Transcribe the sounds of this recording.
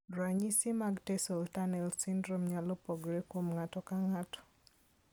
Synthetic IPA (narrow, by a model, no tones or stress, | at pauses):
ɾaɲisimaɡtɛsɔltanɛlsindɾomɲalɔpɔɡɾekomŋatɔkaŋatɔ̥